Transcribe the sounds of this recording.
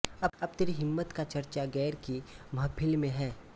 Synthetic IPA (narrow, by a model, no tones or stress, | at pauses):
ɐɐbt̪ɪɾiɦɪmːət̪kat͡ʃɐɾt͡ʃaɡɛːɾkimɐɦpʰɪlmẽɦɛː